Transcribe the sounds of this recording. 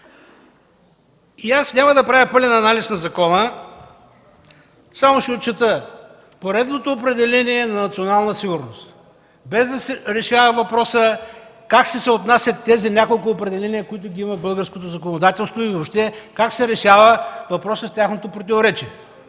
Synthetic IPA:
iasnʲamɐd̪ɐpɾavʲjəpɤlʲɛnɐːnalisnɐzɐkɔnə | samoʃɛot̪̚t͡ʃːɛt̪ə | poɾɛd̪not̪oːpɾɛd̪ɛlɛniɛnɐnɐt̪sʲionalˠnəsiɡʊɾnost̪ | bɛzd̪ɐsɛɾɛʃavɐvɐpɾɔsə | kaksɛsɛot̪nasʲjɐt̪ːɛzinʲakolˠkʊːpɾɛd̪ɛlɛniəkʊit̪̬ʊɡʲiimɐbɤlˠɡəɾskot̪ozɐkonod̪at̪ɛlˠst̪voivopʃt̪ɛkaksɛɾɛʃavəvɐpɾɔsəft̪ʲjaxnot̪opɾot̪ivoɾɛt͡ʃiɛ

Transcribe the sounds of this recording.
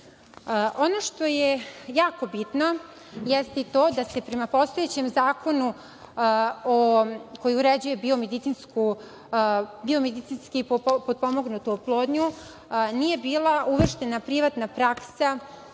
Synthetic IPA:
ʔo̞no̞ʃt̪o̞jejaːko̞bit̪no̞ | jest̪it̪oːd̪ase̞pɾe̞mapo̞st̪ojet͡ɕe̞mzaːko̞nu | oko̞jiuɾed͡ʑuje̞bio̞med̪it̪sinsku | biomed̪it̪sinskippod̪̚po̞mo̞ɡnut̪uoplˠoːd̪ɲu | nije̞biːlˠaʔuʋr̩ʃt̪e̞napɾiʋat̪napɾaksa

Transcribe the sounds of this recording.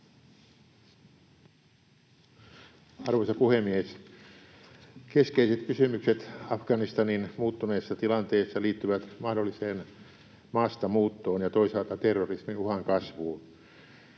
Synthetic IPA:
ɑrʋosɑpuhemːies | keskeiset̪kysymykset̪ɑfɡ̥ɑnist̪ɑninmuːt̪ːuneːsːɑt̪ilɑnt̪eːsːɑliːt̪ːyʋæt̪mɑhdolːiseːn | mɑːst̪ɑmuːt̪ːoːnjɑt̪o̞isɑlt̪ɑt̪erːorisminuhɑŋkɑsʋuːn

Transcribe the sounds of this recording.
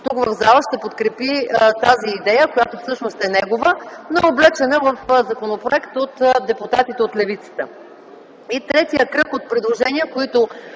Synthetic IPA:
t̪ukvə̰vzalˠəʃt̪ɛpot̪kɾɛpit̪aziːd̪ɛjəkojat̪ofsɤʃnost̪ɛnɛɡovənooblɛt͡ʃɛnəvəfzɐkonopɾoɛkt̪ot̪d̪ɛpʊt̪at̪it̪ɛot̪lɛvit̪sə̥t̪ə | it̪ɾɛt̪ijəkɾɤkot̪̚pɾɛd̪lˠoʒɛniəkoit̪ʊ

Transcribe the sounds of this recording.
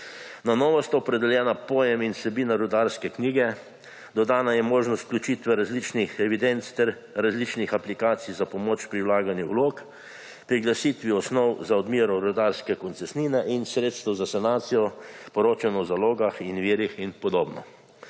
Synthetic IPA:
nanɔːʋɔst̪aɔpɾɛd̪ɛljɛːnapojɛminsɛbiːnaɾud̪aɾskɛkniːɡɛ | d̪ɔd̪aːnajɛmoːʒnɔst̪̚klʲut͡ʃit̪ʋɛɾazlit͡ʃnixɛʋid̪ɛnt̪st̪ɛɾ | ɾazlit͡ʃnixaplikaːt̪sijzapɔmoːt͡ʃpɾiwlaːɡanjɛwloːk | pɾiɡlasiːt̪ʋiɔsnɔwzaɔd̪miːɾɔɾud̪aɾskɛkɔnt̪sɛsniːnɛʔinsɾeːt̪st̪əwzasanaːt̪sijɔpɔɾoːt͡ʃanɔzaloːɡaxinʋiːɾixinpɔd̪oːbnɔ̰

